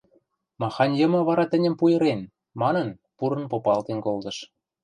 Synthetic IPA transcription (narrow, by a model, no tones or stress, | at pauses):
mɑxɑnʲjɤ̆mɤ̆βɑɾɑt̪ə̆nʲə̆mpujɤ̆ɾen | mɑnə̆n | puɾə̆npopɑlt̪enkolt̪ɤ̆ʃ